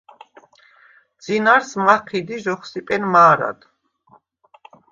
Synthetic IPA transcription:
d̪z̥inaɾsmaqʰid̪iʒɔχsipʼɛnmaːɾa̰d̪

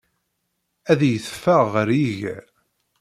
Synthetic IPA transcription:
æðjəθə̥fːæʁːəɾjiʝæ

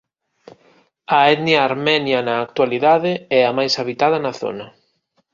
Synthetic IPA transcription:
ɐɛðnjɐːɾmɛnjɐnɐːkt̪waliðaðɪɛɐmajsaβit̪að̞ɐnɐθo̰nɐ

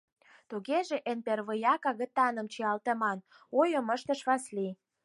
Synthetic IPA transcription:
t̪uɣeʒeʔenperβəjɑkɑɣə̆t̪ːɑnə̆mt͡ɕiɑlt̪ə̆mɑn | ojə̆məʃt̪əʃβɑsli

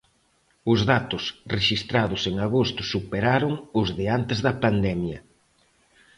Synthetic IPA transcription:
ʊzðat̪ʊsreʃist̪ɾaðʊseŋaɣost̪ʊsupeɾaɾʊŋʊzðɪant̪ɪzðɐpand̪ɛmjɐ

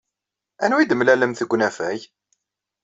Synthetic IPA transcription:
ænwid̪əmlæləmθəɡʷnæfæj

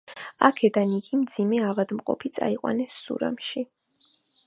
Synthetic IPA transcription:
a̰kʰɛd̪aniɡimd̪zimɛavad̪mqʼɔ̰pʰit̪sʼa̰iqʼwa̰nɛsːṵɾa̰mʃi

